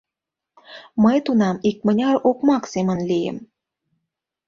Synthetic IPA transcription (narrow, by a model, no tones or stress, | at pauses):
məjt̪unɑmik̚mənʲɑɾokmɑksemənlijə̰m